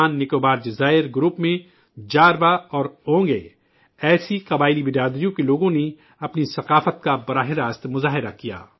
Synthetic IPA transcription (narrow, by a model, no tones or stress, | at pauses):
aːnːɪkoːbaːɾd͡ʒɪzaːɪɾɡɾuːpmẽ | d͡ʒaːɾʋaɔːɾõːŋɡe | ɛːsiqɐbaːɪlibɪdaːd̪ɾijõkeloːɡõne | ɐpnisɐqaːfət̪kabɐɾaːɦɪɾaːst̪mʊzaːɦɪɾa̰kija̰ː